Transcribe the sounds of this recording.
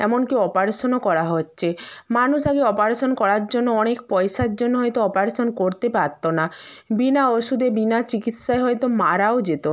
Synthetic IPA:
ɛmonkiɔpaɾsonokɔɾaɦotːɕʰemanuʃaɡeɔpaɾsonkɔɾaɾd͡ʑonːoɔnekpɔjʃaɾd͡ʑonːoɦɔjt̪oɔpaɾsonkoɾt̪epaɾt̪ːonabinaoʃud̪ebinat͡ɕikit̪ʃaeɦɔjt̪omaɾaod͡ʑet̪o

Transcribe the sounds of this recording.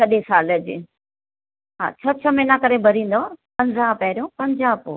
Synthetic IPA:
kɐɗẽsaːləd͡ʑɪ̰ | ɦã̰ːt͡ɕʰɐt͡ɕʰəmenãkɐɾebʱɐɾĩːn̆d̪oapɐ̃ɲzãpɐɦɪɾijõpɐ̃ɲd͡ʑaːpo̰ː

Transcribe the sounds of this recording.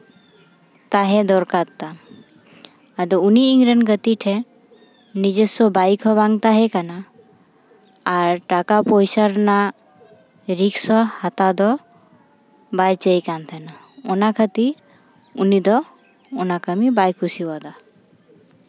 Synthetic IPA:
t̪aɦɛd̪ɔɾkatt̪ːa | əd̪ɔuniːŋɡɾənɡət̪iʈʰɛ | nid͡ʒesɔbajkʰɔbãŋɡt̪aɦɛkana | ɾʈakapɔjsəɾna | ɾiksɔhat̪ad̪ɔ | bajt͡ʃəjkant̪ʰəna | ɔnakʰət̪iɾ | unid̪ɔ | ɔnakəmibajkʰusiwɔd̪a

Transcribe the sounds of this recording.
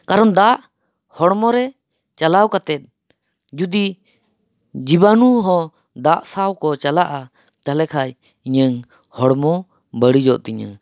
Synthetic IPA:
kaɾɔnd̪aʔ | hɔɽmɔɾɛ | t͡ʃalawkat̪ɛt̪̚ | d͡ʒud̪i | d͡ʒibanuɦɔ̃ | d̪aʔsawkɔt͡ʃalaʔa | t̪alɛkʰaj | iɲəŋ | hɔɽmɔ | bəɽid͡ʒɔʔt̪iɲa̰

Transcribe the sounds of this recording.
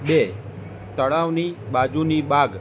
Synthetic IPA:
ɓe | t̪əɭaʋnibad͡ʒunibaɡ

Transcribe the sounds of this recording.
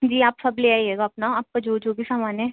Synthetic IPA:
d͡ʒiːaːpsɐbleːaːieːɡaːpnaaːp̚kad͡ʒoːd͡ʒoːbʱisaːmaːnɦɛ̃

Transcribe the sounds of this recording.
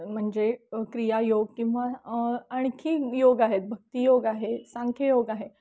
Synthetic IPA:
m̤əɳd͡zekɾijajoɡ̚kĩw̃ʋaəɳ̃kʰiːjoɡaɦet̪̚bʱək̚t̪ijoɡaɦesãŋkʰjejoɡaɦe

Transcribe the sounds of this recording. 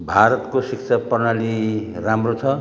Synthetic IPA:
bʱaɾʌt̪kosiksʰapʌrnali | ramrot͡sʰʌ

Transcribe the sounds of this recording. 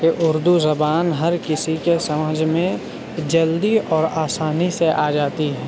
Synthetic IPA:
keʔʊɾd̪uzɐbaːnɦɐɾkɪsikesɐməd͡ʒʱmẽ | d͡ʒɐld̪iɔːɾaːsaːniseʔaːd͡ʒaːt̪iɦɛː

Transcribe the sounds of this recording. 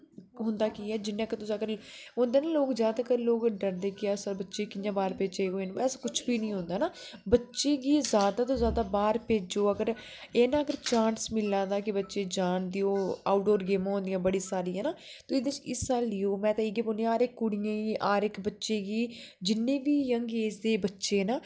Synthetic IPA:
ɦʊ̃nd̪aːkiːɛːd͡ʒɪnːẽːəkət̪ʊsĩːəɡəɾɦʊ̃nd̪eːnaːloːkzjaːd̪aːkəɾloːkɖəɾd̪eːkɪaːsbətːʃeːkɪjãːbaːɾpeːd͡ʒeːɦoːeːnbɛːskʊt͡ʃʰbiːnəĩːɦʊ̃nd̪aːnaːbətːʃeːɡiːzjaːd̪aːt̪õːzjaːd̪aːbaːɾpeːd͡ʒoːəɡəɾ | eːnãːəɡəɾt͡ʃaːnsmɪlːãːd̪aːkɪbətːʃeːd͡ʒaːnd̪ijoːaːʊʈoːɾɡeːmãːɦõːnd̪ɪijãːbəɽiːsaːɾiːɦɛːnaːt̪õːɪd̪et͡ʃɪsaːliːoːmɛ̃ːt̪ãːɪːɡiːpoːnd̪jãaːɾɪkːʊɽijãːɡiːʔaːɾɪkbətːʃeːɡiːd͡ʒɪnːẽːbiːjəŋɡeːsd̪eːbətːʃeːnaː

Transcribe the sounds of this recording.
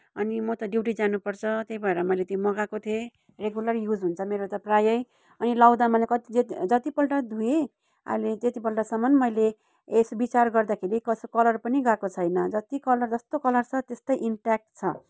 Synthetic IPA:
ʌnimʌt̪ʌɖiwʈid͡zanupʌrt͡sʰʌt̪ejbʱʌeɾʌmʌjlet̪jomʌɡakot̪ʰe | reɡulʌrjud͡zɦunt͡sʰʌmeɾot̪ʌprajʌj | ʌnilawd̪amʌlekʌt̪id͡zet̪d͡zʌt̪ipʌlʈad̪ʱue | a̰jlet̪et̪ipʌlʈasʌmʌnmʌjle | esbit͡sarɡʌrd̪akʰeɾikʌskʌlʌrpʌniɡakot͡sʰʌjnʌd͡zʌt̪ikʌlʌrd͡zʌst̪okʌlʌrt͡sʰʌt̪est̪ʌjʔiɳʈak̚ʈt͡sʰʌ

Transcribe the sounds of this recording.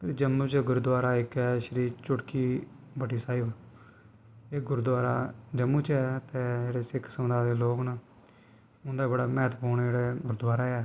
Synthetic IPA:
pːd͡ʒəmːũːt͡ʃɡʊɾd̪ʊaːɾaːɪkɛːʃəɾiːt͡ʃʊʈkiː | bəʈiːsaːɪb | eːɡʊɾd̪waːɾaːd͡ʒəmːuːt͡ʃɛːt̪eːd͡ʒeːɽeːsɪkʰsəmd̪aːd̪eːloːknaː | ʊnd̪aːbəɽaːmɛːt̪ʰpoːnd͡ʒeːɽɛːɡʊɾd̪ʊaːɾaːɛː

